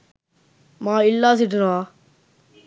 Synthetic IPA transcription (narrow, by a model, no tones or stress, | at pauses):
mãːɪlːaːs̬iʈɾoaː